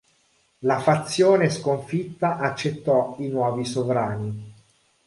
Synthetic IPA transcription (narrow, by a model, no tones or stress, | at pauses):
lafat̪sːjoːneskoɱfit̪ːaʔat͡ʃːet̪ːɔinwɔːvisovɾaːni